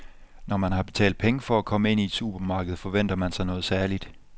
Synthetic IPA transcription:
nɒmænɦɑ̈b̥e̝̥t͡sʰɛ̰ːld̥pʰeŋəfɒ̽ækʰɒ̽məe̝n̰ied̥sṵːb̥ɐmɑ̈ːɡ̥əð̩ˠfɒ̽ʋen̰d̥ɐmænsɑ̈ɪnɔ̽ːð̞̩ˠsæɐlid̥

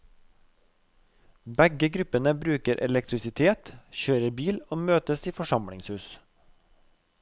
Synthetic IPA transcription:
bɛɡəɡɾʉpənəbɾʉːkəɾʔɛ̰lɛkt̪ɾɪsɪt̪ʰeːt̪çøːɾəbiːloːmøːt̪əsiːfɔʃɑmɽɪ̰ŋshʉːs

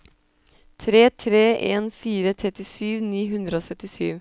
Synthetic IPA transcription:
t̪ʰɾeːt̪ʰɾeːʔeːnfiːɾət̪ʰɾɛt̪ɪsyːʋniːɦʉnd̪ɾəoːsœt̪ɪsyːʋ

